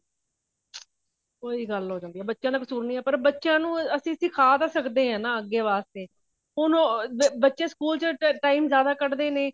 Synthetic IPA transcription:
koːiːɡəlɦoːd͡ʒãːnd̪iːɛːbətːʃjãːd̪aːkəsuːɾnĩːɛːpəɾbətːʃjãːnũːəsĩːəsĩːkʰaːt̪aːsəkd̪eːɦãːnãːəɡːeːʋaːst̪eː | ɦʊnobətːʃeːskuːlt͡ʃəʈaːiːmzjaːd̪aːkəɽd̪eːneː

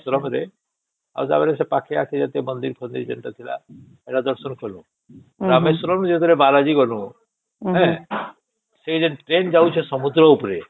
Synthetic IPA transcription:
sɾɔmɾe | a̰t̪a̰meɾesepakʰeakʰed͡ʒat̪emənd̪iɾkʰɔnd̪iɾd͡ʒɔnt̪at̪ʰila̰ | eʈad̪ɔɾsɔnkɔnṵ̃ | ɔɾamesɔɾɔmd͡ʒet̪ɔɾebalad͡ʒiɡɔnũ | ɦɛ̃ | seid͡ʒenʈɾend͡ʒawt͡ʃʰɛsɔmud̪ɾɔupɾe

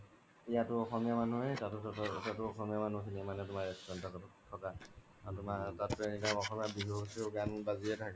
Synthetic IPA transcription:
ijatʊɔxɔmijamanuɦɛtatʊtatʊɔxɔmijamanukinimanɛtʊmaɹɛkstɹɔntʰakɔtutʰːɔka | atʊmatatpɛnitaɔxɔmijabiɦuksiʊɡanbaziɛtʰakɛ

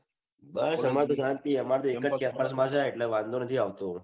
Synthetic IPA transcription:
bəsɦəmaɾt̪osant̪iːəmaɾt̪oekət͡skɛpəɾsmad͡zʱaeʈləʋãnd̪ʱonət̪ʰiːaʋt̪o

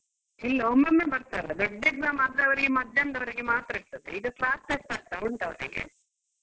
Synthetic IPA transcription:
ɛlːɐomɐmːebɐɾt̪aːɾɐd̪oɖːɐɡzamaːd̪ɐʋɐɾiɡemɐd̪ʱːjɐnd̪ɐʋɐɾiɡe̞maːt̪ɾɐiɾt̪ɐd̪eid̪uklaːst̪ɐst̪aːɾt̪ɐɾuɳʈɐʋɐ̰ɾḭɡḛ

